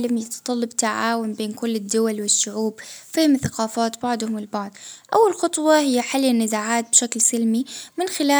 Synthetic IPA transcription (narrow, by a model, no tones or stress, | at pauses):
lamjɪt̪ɑ̥t̪ˤɑlːɑbt̪aʕaːwanbeːnkʊlːɪd̪ːʊwalwɪʃːʊʕuːbfɪhɪmθaqɑːfaːt̪bɑʕd̪ˤhʊmɪlbɑʕd̪ˤʔawːalxɑt̪ˤwɑhɪjːaħalːanːɪzaːʕaːt̪̚bʃaklsɪlmimɪnxɪlaː